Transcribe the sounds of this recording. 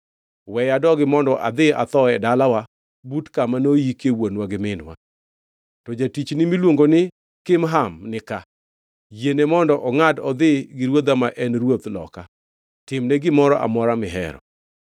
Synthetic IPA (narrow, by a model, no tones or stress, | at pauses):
wɛjadɔɡɪmɔndɔʔa̰d̪ɪa̰t̪ɔɛdalawa | butkamanojikewonwaɡɪmɪnwa̰ | tɔd͡ʒatit͡ʃnɪmilwoŋɡonɪ | kɪmɦamnɪka | jenemɔndɔʔɔŋadɔd̪ɪɡɪɾwod̪amaʔɛnɾwot̪lɔ̰ka | tɪmnɛɡɪmɔɾɔʔa̰mɔɾamɪɦɛ̰ɾɔ̰